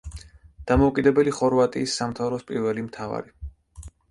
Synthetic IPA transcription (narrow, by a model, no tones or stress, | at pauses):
d̪̥amɔukʼid̪ɛbɛliχɔɾvat̪ʼiːsːamt̪ʰavɾɔspʼiɾvɛlimt̪ʰava̰ɾi